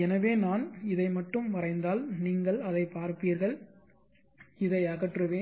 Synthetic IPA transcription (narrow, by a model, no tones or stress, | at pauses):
ɛnɐʋeːnaːnɪðɐɪmɐʈːɯmʋɐrɐɪnd̪aːlniːŋɡɐɭɐðɐɪpaːɾpiːɾɣɐɭ | ɪðɐɪɐɣɐʈrɯʋeː